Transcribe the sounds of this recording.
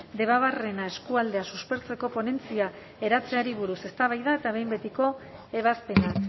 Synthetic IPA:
d̪e̞βaβ̞are̞nae̞skuald̪e̞asuspe̞ɾt͡se̞ko̞po̞ne̞nt͡sia | e̞ɾat͡se̞aɾiβ̞uɾuse̞st̪aβ̞ajðae̞t̪aβ̞e̞jmbe̞t̪iko̞e̞β̞aspe̞nak

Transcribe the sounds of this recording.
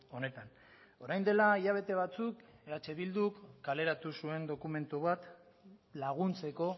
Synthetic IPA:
o̞ne̞t̪an | o̞ɾajnd̪e̞laiʎaβ̞e̞t̪e̞β̞at͡sukeat͡ʃeβild̪ukːale̞ɾat̪usue̞nd̪o̞kume̞nt̪uβat̪ | laɣ̞unt͡se̞ko̞

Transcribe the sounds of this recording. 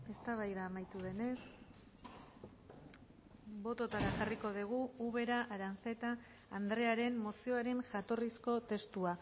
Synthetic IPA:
e̞st̪aβ̞ajðaːmajt̪uðe̞ne̞s | bo̞t̪o̞t̪aɾaʝariko̞ðiɣ̞uuβe̞ɾaʔaɾant͡se̞t̪aː | nd̪ɾe̞aɾe̞mːo̞sio̞aɾe̞nʝat̪o̞risko̞t̪e̞st̪ua

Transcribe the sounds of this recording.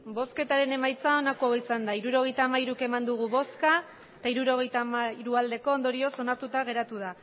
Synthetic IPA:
bo̞ske̞t̪aɾe̞ne̞majt͡sao̞nakuawisand̪aiɾuɾo̞ɣe̞jt̪aːmaiɾuke̞mand̪uɣ̞uβo̞ska | t̪aiɾuɾo̞ɣ̞e̞jt̪amaiɾuald̪e̞ko̞ːnd̪o̞ɾio̞so̞naɾt̪ut̪aɣ̞e̞ɾat̪uð̞a

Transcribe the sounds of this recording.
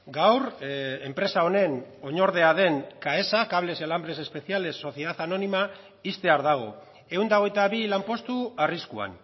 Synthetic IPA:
ɡawɾempɾe̞sao̞ne̞no̞ɲo̞ɾð̞e̞aðe̞ŋkae̞sakaβle̞selambɾe̞se̞spe̞θiale̞sːo̞θjeðaθano̞nima | ist̪e̞aɾðaɣ̞o̞ | e̞und̪aoɣ̞ejt̪aβilampo̞st̪uariskua̰n

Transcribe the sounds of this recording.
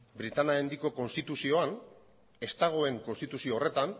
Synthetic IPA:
bɾit̪anaend̪iko̞ko̞nst̪it̪usio̞an | e̞st̪aɣ̞o̞e̞ŋko̞nst̪it̪usio̞ːre̞t̪an

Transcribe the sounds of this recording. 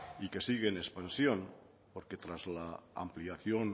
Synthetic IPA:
ike̞siɣ̞enespansjon | poɾke̞t̪ɾazlaa̰mpliaθjon

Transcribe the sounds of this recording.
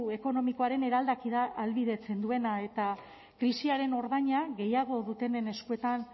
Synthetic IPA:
e̞ko̞no̞mikoaɾe̞ne̞ɾald̪akiðaːlβiðe̞t͡se̞nd̪ue̞nae̞t̪a | kɾisiaɾe̞no̞ɾðaɲaɣe̞jaɣo̞ðut̪e̞ne̞ne̞skue̞t̪an

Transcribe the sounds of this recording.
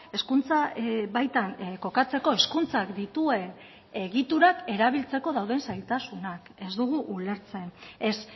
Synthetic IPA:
e̞skunt͡saβajt̪anko̞kat͡se̞ko̞eskunt͡sakd̪it̪ue̞n | e̞ɣit̪uɾake̞ɾaβ̞ilt͡se̞ko̞ðawðe̞nsajlt̪asunake̞zd̪uɣ̞uʔule̞ɾt͡se̞nes

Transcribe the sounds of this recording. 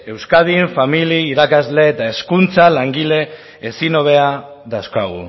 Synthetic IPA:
e̞wskaðiɱfamiliːɾakazle̞ːt̪ae̞skunt͡salaŋɡile̞ː | sino̞β̞e̞a | ðawskaɣṵ

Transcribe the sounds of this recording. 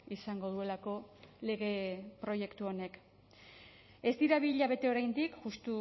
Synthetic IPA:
isaŋɡo̞ðue̞lako̞le̞ɣ̞e̞pɾo̞je̞kt̪uo̞ne̞k | e̞zt̪iɾaβiʎaβ̞e̞t̪e̞o̞ɾajnd̪ikʝust̪u

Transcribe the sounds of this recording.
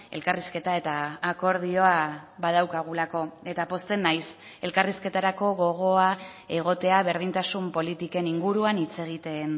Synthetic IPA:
e̞̰lkariske̞t̪ae̞t̪aːko̞ɾðio̞aβað̞awkaɣ̞ulako̞e̞t̪apo̞st̪e̞nːajs | e̞lkariske̞t̪aɾako̞ɣo̞ɣ̞o̞ae̞ɣ̞o̞t̪e̞aβe̞ɾðint̪asumpo̞lit̪ike̞niŋɡuɾuanit͡se̞ɣ̞it̪e̞n

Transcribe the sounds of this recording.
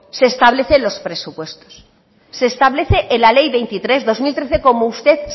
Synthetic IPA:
se̞ːst̪aβle̞θelo̞spɾe̞supwe̞st̪os | se̞ːst̪aβle̞θeʔenlale̞jβe̞jnt̪it̪ɾe̞zðo̞zmilt̪ɾe̞θeko̞moust̪e̞θ

